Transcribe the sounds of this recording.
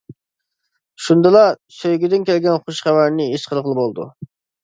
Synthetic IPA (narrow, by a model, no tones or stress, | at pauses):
ʃund̪ɨlˠɑsøjɡʲyd̪ɪnkʲʰɛlɡʲɛnχoʃχæwæɾnɪiʃqʰəlˠəʁlˠɨbolˠd̪ṵ